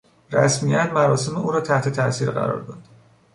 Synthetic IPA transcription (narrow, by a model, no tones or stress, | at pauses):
ræsmijæt̪mæɾɒːseme̞ʔuːɾɒːt̪ʰæht̪ʰe̞t̪ʰæʔsiːɾɢæ̰ɾɒ̰ːɾd̪ɒːd̪̥